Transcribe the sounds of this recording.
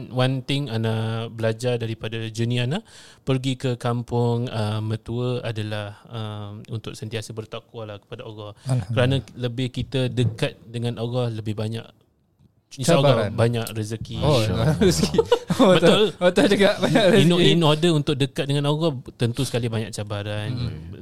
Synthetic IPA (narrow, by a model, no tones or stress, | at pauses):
want̪ɪŋanabəlad͡ʒardaɾipadad͡ʒunianapərɡikəkampʊŋəmə̃t̪uəadalahəmunt̪ʊk̚sənt̪iasəbərt̪akwalahkə̥padaoɣɔhkəɾanãləbɪhkit̪ədəkat̪̚dəŋãnoɣɔhləbɪhbaɲa̰ʔ | saoɡaabaɲaʔrəsəkiəsibət̪ʊot̪ɔd͡ʒəɡaʔbaɲaʔɾəininadəunt̪ʊk̚dəkat̪̚dəŋanoɣɔt̪ənt̪usə̥kalibaɲaʔ̚t͡ʃabaɾan